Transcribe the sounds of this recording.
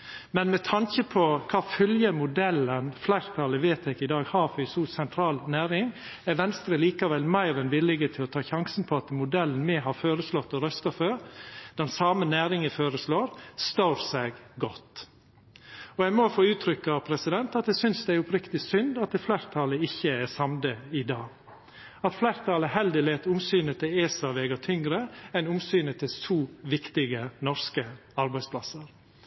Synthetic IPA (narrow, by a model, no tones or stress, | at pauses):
mɛnmɛt̪ʰɑŋkəpʰɔkʰɑːfœljəmʊd̪ɛlːənflæɪɾt̪ʰɑləʋeːt̪ɛkɪd̪ɑːɡhɑːɾfʏsuːsɛnt̪ʰɾɑːlnæːɾɪŋ | æɾʋɛnst̪ɾəliːkɑʋɛlmæɪɾɛnʋɪlɪɡət̪ʰɪlɔt̪ʰɑːçɑŋsən̩pʰɔɑt̪mʊd̪ɛlːən̩mɛɦɑːɾføːɾəslɔt̪ːɔɾœst̪ɑføːɾd̪̥ɛnsɑːmənæːɾɪŋəfoːɾəsloːɾst̪oːɾsɛɡɡɔt̪ | ɔjæɡmɔfoːʉːt̪ʰɾʏkːɑpʰɾɛsɪd̪ɛnt̪ɑt̪̚d̪ɛsʏnsd̪ɛæɾʊpɾɪkt̪ɪsʏnd̪ɑt̪̚d̪ɛflæɾt̪ʰɑːləɪçːəæɾsɑmd̪əɪd̪ɑːɡ | ɑt̪flæɾt̪ʰɑːləhɛld̪ɪleːt̪ʊmsyːnət̪ʰɪleːsɑʋeːɡɑt̪ʰʏŋɡɾəɛnʊmsyːnət̪ʰɪlsʰuːʋɪkt̪ɪɡənɔɾskəɑɾbæɪspʰlɑsəɾ